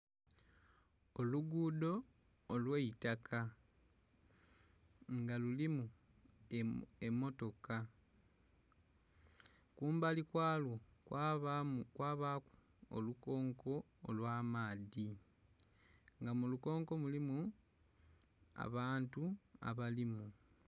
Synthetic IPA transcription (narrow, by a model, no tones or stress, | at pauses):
oluɡuːdo̞ː | lweitakʰa | ŋɡalulimu | e̞mːo̞to̞ka | kuːmbalikwaːlwokakwaːβaːku̥ | o̰luko̞ːŋko̞ː | lwaːmaːði | ŋɡamuluko̞ːŋko̞mulimu | a̰βaːntua̰βalimu